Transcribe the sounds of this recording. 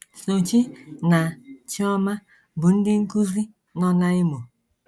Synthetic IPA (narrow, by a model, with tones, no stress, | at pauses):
so˨t͡ʃi˦na˨t͡ʃi˦ɔ˦ma˦ | bu˨n̩˦di˦ŋ̩˦ku˦zi˦ | nɔ˦na˦i˦mo˨